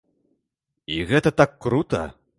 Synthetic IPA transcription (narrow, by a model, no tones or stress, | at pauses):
iɣɛt̪ɐt̪akːɾut̪ɐ̰